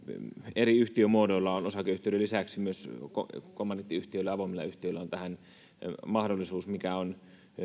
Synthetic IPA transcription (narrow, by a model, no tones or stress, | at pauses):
eriyht̪iømuodolːɑonosɑkeyht̪eˑøyɾelːisæksimyøsko̰komːɑnːit̪ːiyht̪iølːæɑʋomilːɑ̰yht̪iølːæont̪æhæn | mɑhdolːˑisuːsmikæon